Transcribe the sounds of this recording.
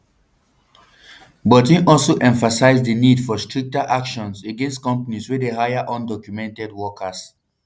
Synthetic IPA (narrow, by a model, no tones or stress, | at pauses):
bɔtĩnʔɔlsoʔɛ̃ɱfasaɪzdənidfɔstʰɹik̚taʔakʃɔ̃nseɡɛ̃nstkɔ̃mpaniswidehajaʔɔ̃ndɔkjumɛ̃ntɛd̚wɔkʰəs